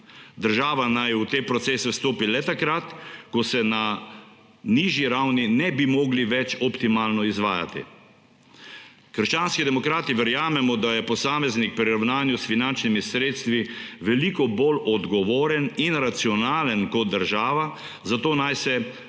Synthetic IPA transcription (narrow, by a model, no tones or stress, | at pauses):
d̪əɾʒaːʋanajut̪eːpɾɔt̪seːsɛst̪oːpilɛt̪akɾat̪kɔsɛna | niʒiɾawninɛbimɔːɡliʋɛt͡ʃɔpt̪imaːlnɔizʋa̰ːja̰t̪ḭ | kəɾʃt͡ʃaːnskid̪ɛmɔkɾaːt̪iʋəɾjaːmɛmɔd̪ajɛpɔsaːmɛznik̚pɾiɾawnaːnjusfinant͡ʃnimisɾeːt̪st̪ʋiʋɛlikɔbolɔd̪ɡɔʋoːɾɛninɾat̪siɔnaːlənkɔt̪̚d̪əɾʒaːʋa | zat̪oːnajsɛ